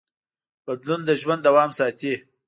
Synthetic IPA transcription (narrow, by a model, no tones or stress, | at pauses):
b̥ad̪lund̪əʒwand̪awɑːmsɑːt̪e